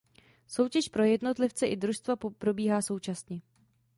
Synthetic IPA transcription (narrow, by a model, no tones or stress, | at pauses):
so̞wcɛʃpɾo̞jɛdno̞t̪lɪft͡sɛʔɪdɾuʃst̪vappɾo̞biːɦaːso̞wt͡ʃasɲɛ